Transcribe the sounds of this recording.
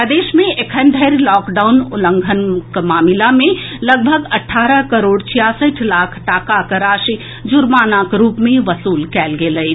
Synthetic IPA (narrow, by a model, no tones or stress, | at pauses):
əd̪eːʃmẽʔekʰənd̪ʱəɾlɔːkɖaʊnʊlə̃ŋɡʱənkmaːmɪlamẽləɡ̚bʱəɡɐʈʰːaːɾəɦkəɾoːɖt͡ʃʰijaːsəʈʰlaːkʰʈaːkakəɾaːʃi | d͡ʒʊɾmaːnaːkɾuːpmẽʋəsuːlkɛːlɡeːləj